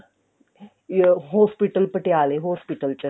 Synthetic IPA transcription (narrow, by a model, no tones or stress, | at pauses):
ɦospiʈəlpəʈealeɦospiʈəlt͡ɕə